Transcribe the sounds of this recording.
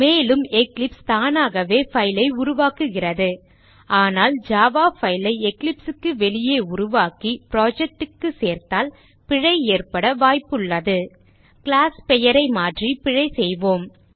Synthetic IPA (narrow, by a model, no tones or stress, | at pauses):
meːlɯmɛklɪpst̪aːnaːɣɐʋeːfɐɪlɐɪʊɾʊʋaːkɯɣɪrɐðɯ | aːnaːld͡ʒaːʋaːfɐɪlɐɪɛklɪpsɯkːɯʋɛɭɪjeːʊɾʊʋaːkipɪɾoːd͡ʒɛk̚ʈɯkːɯseːɾt̪aːl | pɪɻɐɪeːrpɐɽɐʋaːjpːɯɭːɐðɯ | kɪɭaːspɛjɐɾɐɪmaːʈripɪɻɐɪsɛjʋoːm